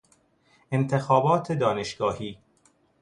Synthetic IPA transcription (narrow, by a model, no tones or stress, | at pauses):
e̞nt̪ʰe̞xɒːbɒːt̪ʰed̪ɒːne̞ʃɡɒːhiː